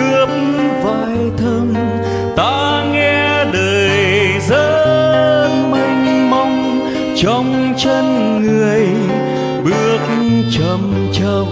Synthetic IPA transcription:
ɨ˧˦əp̚m | vaː˧˨˩jt̪ʰə˧m | t̪aː˧˦ | ŋɛ˧ | ɗəː˨˩j | zəː˧˦ | nmə˧˩ŋ̟mɔ˧wŋ͡m | t͡ɕɔ˧wŋ͡m | t͡ɕə˧n | ŋɨ˨˩əj | ɓɨ˧˩ək̚ | t͡ɕə˨˩m | t͡ɕə˧˩

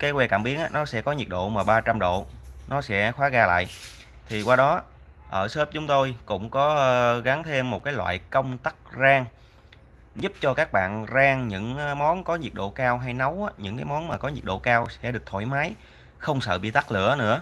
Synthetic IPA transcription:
kaː˨˦jkwɛ˧kaː˧˩mɓi˨˦ənʔaː˨˧˥nɔ˨˦sɛ̰˧˥kɔ˨˦ɲi˨˩t̚ɗo̰˧˨maː˨˩ɓaː˧t͡ɕa˧mɗo̰˧˨nɔ˨˦sɛ̰˧˥xwaː˨˦ɣaː˧la̰ː˧˨j | t̪ʰi˨˩kwaː˧ɗɔ˨˦ | ʔəː˧˩səː˦˥p̚t͡ɕʊ˨˦ŋ͡mt̪o˧jkʊ̰˧˥ŋ͡mkɔ˨˦ɣa˨˦ŋt̪ʰe˧mːo˨˩t̚kaː˨˦jlwa̰ː˧˨jkə˧wŋ͡mt̪a˦˥k̚zaː˧ŋ | zʊ˦˥p̚t͡ɕɔ˧kaː˦˥k̚ɓa̰ː˧˨nzaː˧ŋɲɨ̰˧˥ŋmɔ˨˦nkɔ˨˦ɲi˨˩əɗo̰˧˨kaː˧wɦa˧jna˨˦wʔaː˨˦ɲɨ̰˧˥ŋkaː˨˦jmɔ˨˦nmaː˨˩kɔ˨˦ɲi˨˩k̚ɗo̰˧˨kaː˧wsɛ̰˧˥ɗɨ˨˩ək̚t̪ʰo̰˧˩jmaː˨˦j | xə˧wŋ͡msə̰ː˧˨˩ɓḭ˧˨t̪a˦˥k̚lɨ̰˧˩ənɨ̰˧˥ə

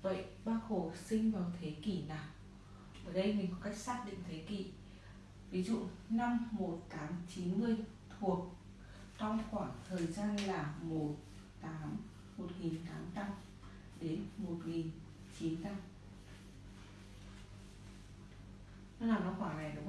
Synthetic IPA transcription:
və̰˧˨jɓaː˧xo˨˩sï˧ŋ̟vaː˨˩wt̪ʰe˨˦ki˧˩naː˨˩w | ʔəː˧˨˩jɗə˧jmï˨˩ŋ̟kɔ˨˦ka˦˥jk̚saː˦˥t̚ɗḭ˧˨ŋt̪ʰe˨˦kḭ˧˩ | vi˨˦zṵ˧˨na˧mːo˨˩t̚t̪ʰaː˨˦mt͡ɕi˨˦nmɨ˧əj | t̪ʰu˨˩ək̚ | t͡ɕɔ˧wŋ͡mxwaː˧˩ŋt̪ʰəː˨˩jzaː˧nlaː˨˩mo˨˩t̚ | t̪aː˨˦m | mo˨˩t̚ŋi˨˩nt̪aː˨˦mt̪a˧m | ɗe˨˦nmo˨˩t̚ŋi˨˩n | t͡ɕi˨˦nt̪a˧m | na˧wnaː˨˩wna˧wxwaː˧˩na˨˩jɗʊ˨˦ŋ͡m

